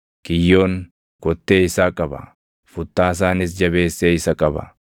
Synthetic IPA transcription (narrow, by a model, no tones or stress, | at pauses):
kɪjːo̞ːŋ | kɔt̪ːe̞ːɪsaːkʼɐbɐ̰ | fʊt̪ːaːs̬aːnɪs̬d͡ʒɐbe̞ːsːeːɪsɐkʼɐbɐ̰